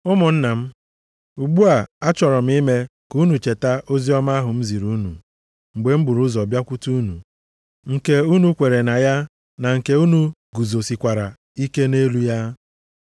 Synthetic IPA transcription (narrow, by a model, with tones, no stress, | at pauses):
ʊ˦mʊ˨n̩˦na˨m̩˦ | u˨ɡ͡bu˦a˨a˦t͡ʃɔ˨ɾɔ˨m̩˦i˦me˦ku˦nu˨t͡ʃe˨ta˦ʔo˦zi˦ɔ˦ma˦ɦʊ˨m̩˦zi˨ɾu˦nṵ˨ | ŋ͡m̩˨ɡ͡be˨m̩˦bʊ˨ɾu˦zɔ˨bja˦kʷu˦tu˦u˦nṵ˨ | ŋ̩˨ke˨u˦nu˦kʷe˨ɾe˨na˨ja˦ | na˨ŋ̩˨ke˨˦u˦nu˨ | ɡu˨zo˨si˨kʷa˨ɾa˨ | i˦ke˦ne˦lu˦ja˦